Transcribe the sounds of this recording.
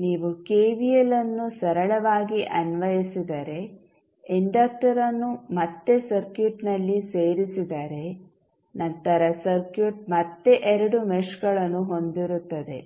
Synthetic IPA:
niːʋukeːʋijelɐnːusɐɾɐɭɐʋaːɡiʔɐnʋɐjisid̪ɐɾe̞ | iɳɖɐːk̚ʈɐɾɐnːumɐt̪ːe̞sɐɾkjuʈnɐlːiseːɾisid̪ɐɾe̞ | nɐnt̪ɐɾɐsɐɾkjuʈ̚mɐt̪ːe̞ʔɛɾɐɽumeʃɡɐɭɐnːuɦo̞nd̪iɾut̪ːɐd̪e̞̰

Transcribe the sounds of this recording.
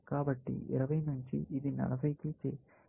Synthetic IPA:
kaːbɐʈːḭɪ̰ɾɐʋɐjnuɲt͡ʃḭʔːd̪inɐ̰lɐbʱɐjkit͡ʃe

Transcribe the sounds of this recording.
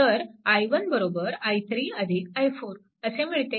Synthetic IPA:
əɾajʋənbəɾobəɾajt̪ʰɾiəd̪ʱikajfuːɾ | əsem̤iɭt̪e

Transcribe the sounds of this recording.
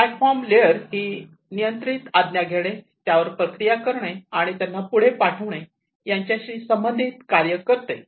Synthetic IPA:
paʈfɔɾmleəɾɦiː | nijənt̪ɾit̪ad̪njaɡʱeɭ̃e | t̪jaʋəɾpɾəkɾijakəɾɳ̃eaɽ̃it̪janːapuɽ̤epaʈʰəʋɳ̃e | jaɲt͡ɕjaɕiːsəmbənd̪ʱit̪kaɾjəkəɾt̪e

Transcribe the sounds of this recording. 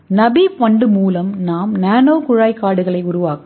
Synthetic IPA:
nɐbipɐɳɖɯmuːlɐmnaːmnaːnoːkʊɻaːjkːaːɽɯɣɐɭɐɪʊɾʊʋaːkɯ

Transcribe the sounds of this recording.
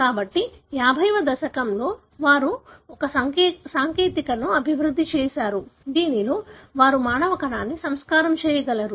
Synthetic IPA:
kaːbɐʈːijaːbʱɐjʋɐd̪ɐʃɐkɐmlo̞ː | ʋaːɾuɔkɐsɐsaːŋkeːt̪ikɐnuɐbʱiʋɾud̪ʱːit͡ʃɛːʃaːɾud̪iːniloːʋaːɾumaːɳɐʋɐkɐɳaːnːisɐmskaːɾɐmt͡ʃɛːjɐɡɐlɐɾu

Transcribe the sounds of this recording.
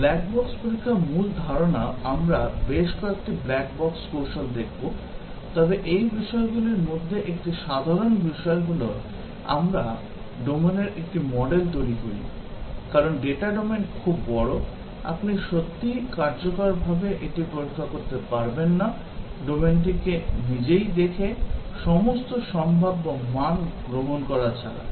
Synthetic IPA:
blɛk̚bɔkspuɾikʰːamuld̪ʱaɾonaamɾabeʃkɔek̚ʈiblɛk̚bɔkskoɾʃond̪ekʰbo | t̪ɔbeʔejbiʃɔeɡuliɾmod̪ʱːeʔek̚ʈiʃad̪ʱaɾonbiʃɔeɡulo | a̰mɾa | ɖomeneɾʔek̚ʈimɔɖelt̪̬ojɾiɦoḭ | kaɾonɖeʈaɖomenʈkʰubːɔɽo | a̰pniʃot̪ːikaɾd͡ʑokaɾbʱabeʔeʈiboɾkʰakoɾt̪epaɾbenːa | ɖomenʈ̬ikenid͡ʑejd̪ekʰeʃɔmost̪oʃɔmbʱabbamanɡɾomonkɔɾat͡ɕʰa̰ɾa̰

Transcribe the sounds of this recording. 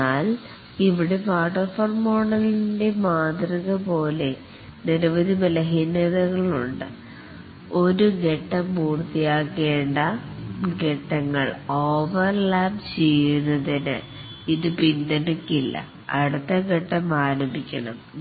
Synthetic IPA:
aːl | iʋiɽe̞paːʈːɐrfoːrmoːɳɐlinde̞maːt̪riɣɐpo̞ːle̞ | niɾɐʋɐðimɐlɐɦineðɐɣɐɭuɳɖɨ̰ | o̞ɾuɡe̞ʈːɐmpuːrt̪ːijaːkːe̞ːɳɖɐɡe̞ʈːɐŋːɐɭo̞ːʋɐrlaːb̚t͡ɕejːunːɐðinɨ̰ | iðɨpind̪ɐɳikːilːɐ̰ | ɐɽut̪ːɐɡe̞ʈːɐmaːɾɐmbʱikʲːɐɳɐm

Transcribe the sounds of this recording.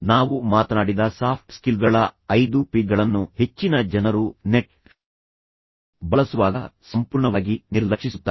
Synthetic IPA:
naːʋumaːt̪ɐnaːɽid̪ɐsaːpʰʈskilɡɐɭɐɐjd̪upiːɡɐɭɐnːuhe̞t͡ʃːinɐd͡ʒɛnɐɾuneʈ̚ | bɐɭɐsuʋaːɡɐsɐmpuːɾɳɐʋaːɡiniɾlɐkʂisut̪ːaː

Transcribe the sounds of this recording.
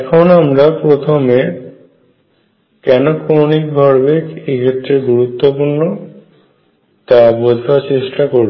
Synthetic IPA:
ɛkʰonamɾapɾot̪ʰome | kɛnokonik̚bʱɔɾbekekʰet̪ːɾeɡuɾut̪ːopuɾno | t̪abod̪ʱaɾt͡ɕeʃʈakoɾ

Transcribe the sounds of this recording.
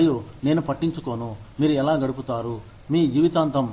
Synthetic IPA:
june̞ːnupɐʈːiɲt͡ʃuko̞ːnumiːɾuɛlaːɡɐɽup̬ut̪aːɾu | miːjuʋit̪aːnt̪ɐm

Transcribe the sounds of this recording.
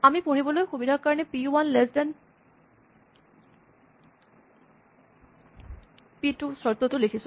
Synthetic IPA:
amipoɽibolojxubid̪ʱaɾkaɹnepiuwanlɛsdan | piʈusɔɾt̪ot̪olekʰisʰu

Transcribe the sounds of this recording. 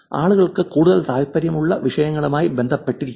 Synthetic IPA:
aːɭuɣɐɭkɨkuːɽuðɐlt̪aːjipːɐɾjɐmuɭːɐʋiʂɐjɐŋːɐɭumaːjibe̞nd̪ʱɐpːe̞ʈːiɾikʲː

